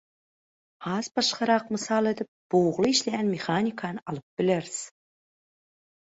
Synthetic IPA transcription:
ɑzbɑʃqɑɾɑq̚məsɑlˠet̪ɪp̚b̥owʁlˠəiʃlæɡʲænmʲeχanʲikʰɑnɑlˠəp̚bɪleɾz̥

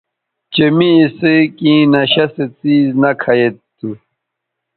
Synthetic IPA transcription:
t͡ɕɐmiːsekĩːnɐɕɐset͡siːznɐkʰɐjet̪ː | u

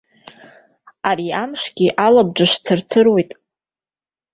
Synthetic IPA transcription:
aɾiamʂɡʲiʔalab̚d͡ʒaʂt͡sʰɨrt͡sʰɨrwe̞jtʼ

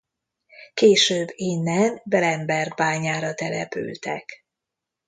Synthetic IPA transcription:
keːʃøːbːeːnːɛmbɛlɛmbɛrɡ̚baːɲaːɾɒt̪ɛlɛpy̰lt̪ɛ̰k

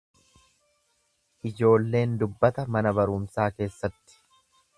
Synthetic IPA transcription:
ʔɪd͡ʒo̞ːlːe̞ːnd̪ʊbːɐt̪ɐmɐnɐbɐɾʊmsaːke̞ːsːɐt̪ːɪ̥

